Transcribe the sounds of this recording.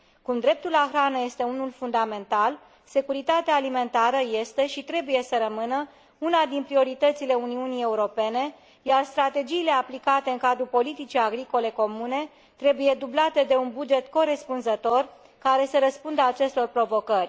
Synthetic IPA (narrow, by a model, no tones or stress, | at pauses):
kumd̪ɾe̞p̚t̪ulaxɾanəje̞st̪e̞unulfund̪ame̞nt̪al | se̞kuɾit̪at̪eaːlime̞nt̪aɾəje̞st̪eʃit̪ɾe̞buje̞səɾəmɨnə | unad̪inpɾio̞ɾit̪ət̪sile̞uniunije̞uɾo̞pe̞ne̞ | jarst̪ɾat̪e̞d͡ʒiːle̞aplikat̪eɨŋkad̪ɾupo̞lit̪it͡ʃijaɡɾiko̞le̞ko̞mune̞ | t̪ɾe̞buje̞d̪ublat̪e̞d̪e̞unbud͡ʒe̞t̪ko̞ɾe̞spunzət̪o̞r | kaɾe̞səɾəspund̪əat͡ʃe̞st̪o̞rpɾo̞vo̞kərʲ